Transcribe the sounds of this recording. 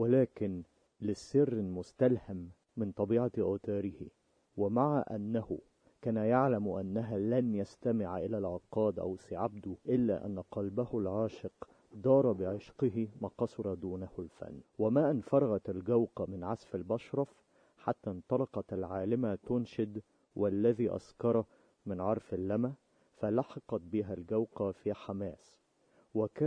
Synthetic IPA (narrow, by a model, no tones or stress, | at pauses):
wɪlæːkɪn | lɪsːɪrːɪlmʊst̪alhamː | ɪnt̪ˤɑbiːʕaʔaːt̪aːɾɪhɪ | wɪmaʕaʔa̰nːahʊ | kæːnajaʕlamʔa̰nːæɦalænjast̪amɪʕʔɪlaːlʕɑqːɑːd̪ʔæ̰wsɪʕab̚d̪ʊʔɪlːa̰ʔa̰nːaqɑlbahʊlʕaːʃɪq | d̪ɑːɾˤɑbɪʕɪʃqɪɦɪmɑːqɑsˤɑɾˤɑd̪uːnahʊlfæ̰nːwamaːʔɪnfɑɾˤɑɣɑt̪alɡawqɑmɪnʕasfalbɑʃɾˤɑf | ħat̪ːaːnt̪ˤɑlɑqɑt̪alʕaːlɪmat̪ʊnʃɪd̪ | walːæðiːʔɑ̰skɑɾˤɑ | mɪnʕɑɾˤfalːæma | falɑħɑqɑt̪̚bɪɦælɡawqɑfiħamaːs | wɪkæː